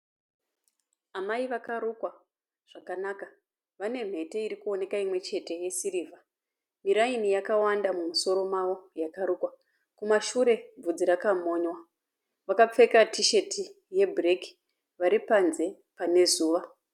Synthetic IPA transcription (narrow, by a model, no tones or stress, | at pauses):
amaiʋakaɾukwa | ʐ̥akanaka | ʋane̞m̤e̞te̞iɾikuo̞ne̞kaimwe̞t͡ʃe̞te̞je̞sirivʱa | miɾainijakawandamumuso̞ɾo̞mawo̞jakaɾukwa | kumaʃuɾe̞b͡vud͡ziɾakamo̞ːɲwa | ʋakap͡fe̞katiʃe̞ti | je̞bʱreki̥ | ʋaɾipanze̞ | pane̞zuːʋa